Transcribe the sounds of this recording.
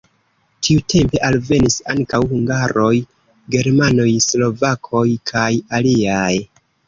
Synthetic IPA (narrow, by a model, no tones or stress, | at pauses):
tʰiutʰe̞mpe̞ʔalve̞nisa̰ŋkawhuŋɡaɾo̞j | ɡe̞ɾmano̞jslo̞vakʰo̞jkʰajaliaj